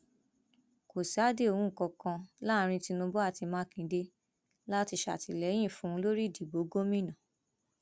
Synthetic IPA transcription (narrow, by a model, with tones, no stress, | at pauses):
ko˨si˨a˦de˦o˧ũ˦˨kɔ˧kã˧la˦˨˧ɾ̃ĩ˧ti˧nũ˧bo˦a˦˨ti˧mãː˦kĩ˨de˧ | la˦ti˧ʃa̰˨ti˧˨lɛ˨˦j̃ĩ˦˨fũ˧˦˧lo˦ɾi˦˨di˨bo˨˦ɡo˦mĩ˦nã˨